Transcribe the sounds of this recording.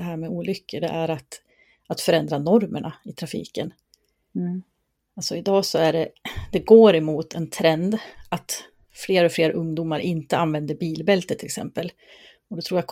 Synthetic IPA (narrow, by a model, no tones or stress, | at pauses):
ɛɦæːɾmɛuːlʏkːəɖ̪ɛ̰ʔæɾat̪ | at̪fœɾɛnd̪ɾanɔɾməɳʔaɪt̪ʰɾafḭːkən | alsɔɪd̪ɑːsɔæɖɛd̪ɛɡoːɾɛmuːt̪ʰɛnt̪ʰɾɛnd̪at̪ | fleːɾɔfleːɾaʔɵŋd̪uːmaɾʔɪnt̪əanvɛnd̪əɾbiːlbɛlt̪ət̪ʰɪlɛksɛ̰mpəl | ɔd̪ɔt̪ʰɾuːjakʰ